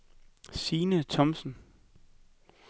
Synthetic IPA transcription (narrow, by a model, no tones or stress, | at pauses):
siːnət͡sʰɒ̽msn̩